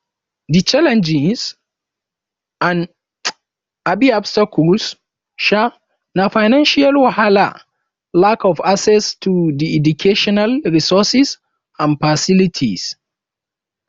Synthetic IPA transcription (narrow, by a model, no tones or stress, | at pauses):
dit͡ʃalɛ̃nd͡ʒɪs | an | ʔabiabstakɔls | ʃa | nafajnãnʃialwahala̰ | lakɔfasɛstʰudiʔɛdukʰeʃɔnalɹisɔsɪs | ãnfasɪlitʰis